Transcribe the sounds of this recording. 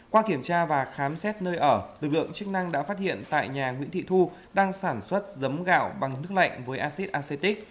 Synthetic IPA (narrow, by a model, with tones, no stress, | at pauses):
kwaː˧ki˧˩əmt͡ɕaː˧vaː˨˩xaː˨˦msɛ˦˥t̚nəː˧jʔəː˧˩lɨ˨˩k̚lɨ̰˧˨əŋt͡ɕɨ˦˥k̚na˧ŋɗa̰ː˧˥faː˦˥t̚hḭ˧˨ənt̪a̰ː˧˨jɲaː˨˩ŋwḭ˧˥nt̪ʰḭ˧˨t̪ʰu˧ | ɗaː˧ŋsaː˧˩nswə˦˥t̚zə˨˦mɣa̰ː˧˨wɓa˨˩ŋnɨ˦˥ək̚la̰˧˨jŋ̟vəː˨˦jʔaː˧si˦˥t̚ʔaː˧se˧t̪i˦˥k̚